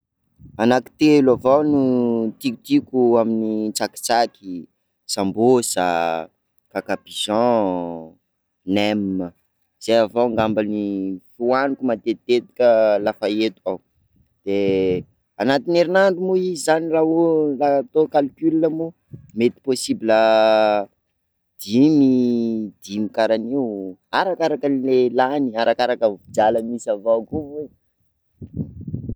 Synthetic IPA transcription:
anaki̥t̪elavawnut̪iku̥t̪ikʲuaminit͡saki̥t͡saki | sambosa̰ | kakapizɑ̃ | nɛmːə | z̥ejavawŋɡambanifuanikumat̪et̪et̪u̥kʲəlafaet̪u̥aw | d̪̥e | anat̪ineɾinanɖ͡ʐumuizizaniraɦulat̪okalkʲylinəmu | met̪i̥posibilə | d̪̥imid̪̥imikaɾanewaɾakaɾakənilelaniaɾʔakaɾakəvid͡ʒaləmisavakuvu

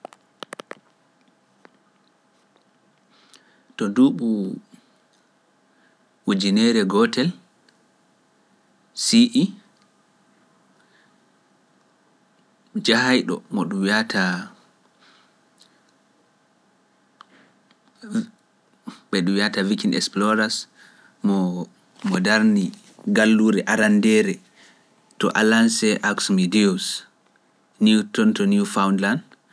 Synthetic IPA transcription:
tɔduɓu | wud͡ʒinɛɾɛɡɔtɛl | siʔi | d͡ʒahajɗɔ̰mɔɗumwjatʰa | ɓɛɗuwiatavikinʔɛ̰ksplɔɾas | mɔ | mɔdaɾni | ɡalːuɾɛʔaɾandɛɾɛ | tɔ̰ʔalansɛʔaksmidius | niwtɔntɔnifawndlan

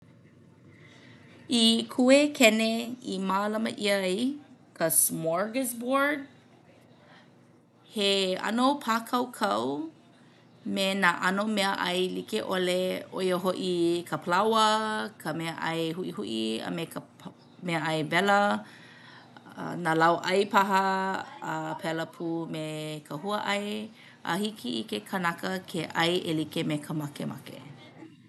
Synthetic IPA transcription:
ikʰuekʰɛneimaːlɐmə̰ʔijkʰəsmɔɹɡəzbɔɹd̚ | heɐ̰nopʰaːkʰɐwkʰɐw | menaʔɐnomeəʔɐjlikeʔoleo̰joɦoʔikʰəpʰəlawəkʰəmɛəʔɐjɦuʔihuʔiə̰mekə | meəʔɐjvɛlə | nalawʔɐjpaɦɐəpʰɛləpʰumekʰəhuəʔɐj | ʔa̰hikʰiikekʰənakəkʰeʔɐjʔelikemekʰəmakḛma̰kḛ

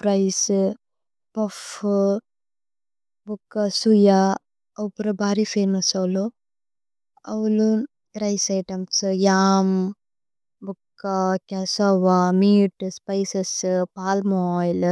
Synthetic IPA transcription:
pɾɐjs | pɐf | bukːasuja | ɐpuɾɐbaːɾifeːnɐsɐwlu | ɐʋulu | ɾɐjsɐjʈɐmsɨjaːm | bukːakɐsɐʋamiːʈspɐjsɐspaːlmoːjl

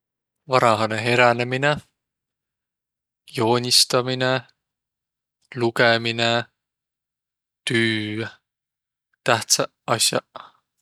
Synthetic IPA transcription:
vɑɾɑɦɑneɦe̞ɾænemine | jo̞ːnʲist̪ɑmine | lukemine | t̪yː | t̪æht̪sæ | ɑsʲjɑ̰

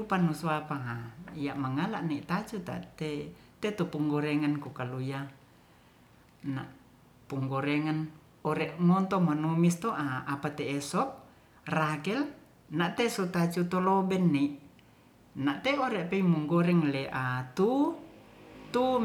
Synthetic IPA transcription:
upanusɔapaŋaijaʔmaŋalaʔniʔt̪at͡ʃut̪a̰ʔt̪ɛt̪ɛt̪upuŋɡɔɾɛŋankukaluija | na̰ʔ | puŋɡɔɾɛŋan | ɔɾɛʔŋɔnt̪ɔmanumist̪ɔʔaapat̪ɛːsɔp̚ | rakɛl | naʔt̪ɛsɔt̪at͡ʃut̪ɔlɔbɛnːiʔ | naʔt̪ɛɔɾɛʔpɛimuŋɡɔɾɛŋlɛʔat̪u | t̪u

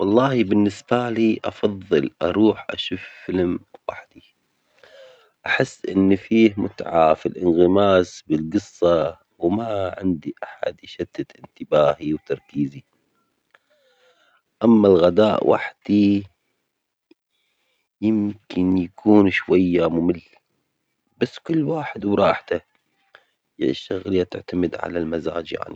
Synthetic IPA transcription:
wɑlˤːɑːhibɪnːɪsbaliːʔɑfɑðˤːɨlʔɑ̰ɾˤuːħʔa̰ʃuːfːɪlmwaħd̪̥i | ʔaħɪsːʔɪnːfiːhmʊt̪ʕafilʔɪnɣɪmaːsbɪlɡɨsˤːɑ | wmaʕɪ̰nd̪iʔaħa̰d̪ʃat̪ːaʔɪnt̪ɪbaːhiwt̪ɑɾˤkiːzi | ʔamːalɣad̪aːʔwʔa̰ħd̪̥i | jɪmkʰɪnjakʰuːnʃwajːamʊmɪlː | b̥asːkʊlːwaːħɪd̪wɾˤɑːħt̪a | j̰ʃaɣljːat̪ɪʕt̪amɪd̪ʕa̰lalmaza̰ːd͡ʒja̰ʕni

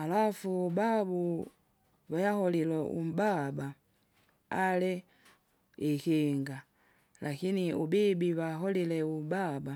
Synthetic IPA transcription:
alafubabu | βajahɔlilɛʔṵmbaba | alɛ | ikiŋɡa | lʔakiniubibiβaɦɔlilɛubaba

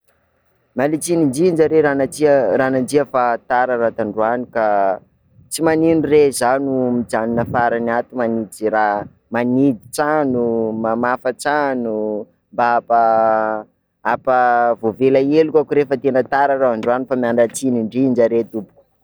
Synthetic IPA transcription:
malit͡siniɳd͡ʒind͡ʒaɾeɾanat͡siɾanand͡ziəfat̪aɾaɾat̪aɳɖ͡ʐuanika | t͡simaninurezanumid͡zaninəfaɾanat̪umanid͡zira | manid̪it͡sanumamafat͡sanu | mbaapa | apəvovelaelukʲakuɾefət̪enət̪aɾaɾaaɳɖ͡ʐuanifamiaɳɖ͡ʐat͡siniɳɖ͡ʐind͡ʒaɾet̪upu̥ku̥

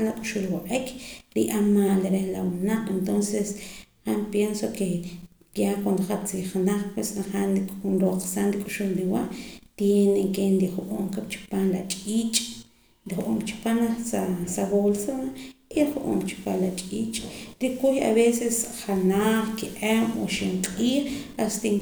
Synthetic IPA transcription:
nlakʼu̥ʃulwaʔʼekɾḭʔamaːleɾehlawunaqʼent̪onseshampjensoke | jakwand̪oχat͡siχnaχpwesnaχanikʼxunɾoqsanɾikʼuʃulɾiwaʔt̪jeneŋkend̪iχʔoːmkapt͡ʃi̥panlat͡ʃʼiːt͡ʃʼ | nd̪ixʔomkt͡ʃi̥panasasaβolsaaiɾiχuʔo̰ːmt͡ʃi̥panlat͡ʃʼiːt͡ʃʼɾikuja̰βesesχanaχkiʔemo̰ʃiɴqʼiːχast̪eŋ

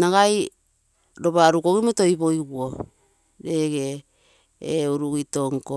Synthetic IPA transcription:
naɡaj | ɾo̞βaɾukoɡimoto̞jβo̞jɡuo | ɾe̞ɡeː | uɾuɡito̞ŋko

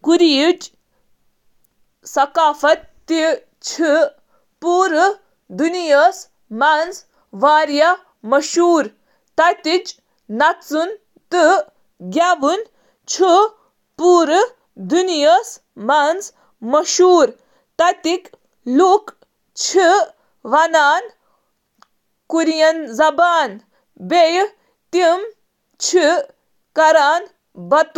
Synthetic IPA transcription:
kuɾit͡ʃ | sɐkaːfɐt̪ː | i | t͡ʃʰi | puːɾ | d̪unijəs | mans | ʋaːɾja | mɐʃuːɾ | t̪ɐt̪it͡ʃ | nɐt͡sun | t̪ɨ | ɡʲjaːʋun | t͡ʃʰɨ | puːɾ | d̪unijəs | mans | mɐʃuːɾ | t̪ɐjt̪ik | luk | t͡ʃʰi | ʋɐnaːn | kuɾjɐnzɐbaːn | bej | t̪im | t͡ʃʰi | kɐɾaːn | bɐt̪

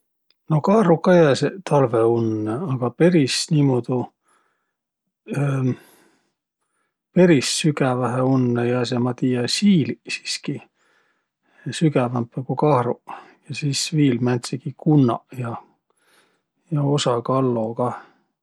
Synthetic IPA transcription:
no̞kɑhrukːɑjæːset̪ʰɑlveunːeɑɡ̥ɑpe̞ɾisniːmod̪̥u | pe̞ɾisːyɡævæɦeunːejɑsemɑt̪ijɑsiːlisi̥ski | syɡævɑmpːekukɑhrujɑsiːsviːlmænʲt̪sikikunːɑ̰jɑ | jɑo̞sɑkɑlːo̞kɑ

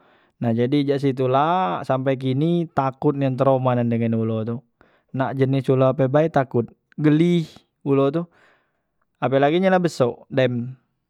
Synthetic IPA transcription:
nahd͡ʒadid͡ʒaʔs̬it̪̬ulasampajk̬init̪akʊt̪̚naŋt̪əɾomanandəŋanulot̪u | naʔd͡ʒənisuloap̬ɛbait̪akʊt̪̚ | ɡəlih | ulot̪u | apɛlaɡiɲalahbəsɔʔdɛm

